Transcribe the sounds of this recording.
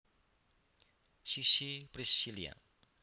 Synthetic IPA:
sisipɾisilia̰

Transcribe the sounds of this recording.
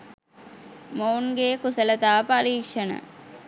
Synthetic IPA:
moːnɡeːkusələt̪aːpaliːkʂənə̰

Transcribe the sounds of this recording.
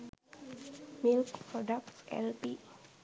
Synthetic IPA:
milkpɾɔdak̚tɛ̰lpi

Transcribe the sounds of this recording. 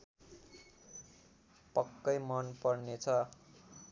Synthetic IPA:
pʌkːʌjmʌnpʌrnet͡sʰʌ

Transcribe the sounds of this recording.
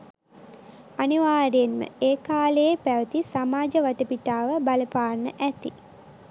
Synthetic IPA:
aniʋaːɾejenmə̰eːkaːləepæʋət̪isamaːd͡ʒəʋaʈəpiʈaːʋəbaləpaːrnəʔæt̪ḭ

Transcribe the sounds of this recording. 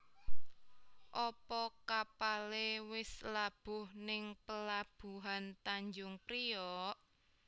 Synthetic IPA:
ʔɔpɔkapalewɪslab̥ʊ̤hnɪŋpəlab̥ṳɦant̪aɲd͡ʒʊŋpɾijɔʔ

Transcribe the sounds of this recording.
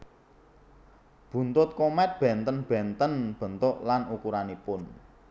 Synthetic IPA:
b̥ṳnt̪ʊt̪̚kɔmɛt̪̚b̥ɛ̤nt̪ənb̥ɛ̤nt̪ənb̥ə̤nt̪ʊʔlanukuɾanipʊn

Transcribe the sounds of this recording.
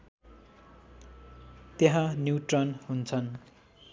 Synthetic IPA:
t̪jeɦãnjuʈrʌnɦunt͡sʰʌn

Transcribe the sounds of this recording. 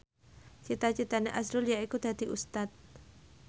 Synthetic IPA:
t͡ʃit̪at͡ʃit̪aneʔasɾʊljaikud̪̥a̤d̪i̤ʔust̪at̪̚

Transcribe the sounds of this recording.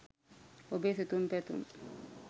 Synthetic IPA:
ʔɔbesitumpɛtṵm

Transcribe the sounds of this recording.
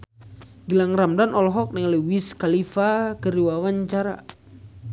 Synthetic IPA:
ɡəlaŋramdanʔɔlɦɔk̚nɛŋlewiskalifakəɾiwawaɲt͡ʃaɾa̰

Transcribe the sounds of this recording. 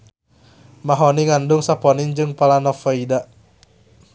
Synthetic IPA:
maɦɔniŋandʊŋsapɔnind͡ʒɨŋpalanɔfɔida

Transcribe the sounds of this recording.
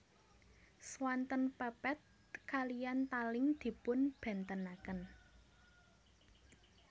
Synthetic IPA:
swant̪ənpɛpɛt̪̚ | kalijant̪alɪŋd̪̥i̤pʊnb̥ɛ̤nt̪ənakən

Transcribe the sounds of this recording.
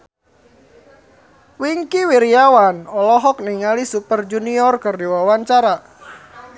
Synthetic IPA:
wiŋkiwiɾiawanɔlɔɦɔk̚niŋalisupərd͡ʒuniɔrkərdiwawaɲt͡ʃaɾa

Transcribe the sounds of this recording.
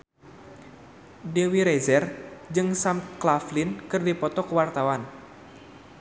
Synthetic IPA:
dewiɾɛzɛrd͡ʒɨŋsamt̪̚klaflɪnkɨrdipɔt̪ɔkəwart̪awan

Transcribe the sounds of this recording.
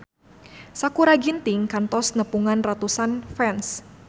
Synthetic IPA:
sakuɾaɡint̪ɪŋkant̪ɔsnəpuŋanrat̪usanfɛns

